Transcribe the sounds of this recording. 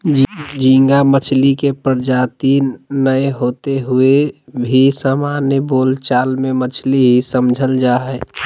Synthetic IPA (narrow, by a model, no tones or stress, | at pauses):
d͡ʒĩŋɡamət͡ʃʰlikepəɾd͡ʒat̪inəjɦot̪eɦuebʱisamanjəboːlt͡ʃaːlmemət͡ʃʰliɦisəmd͡ʒʱəld͡ʒaɦɛ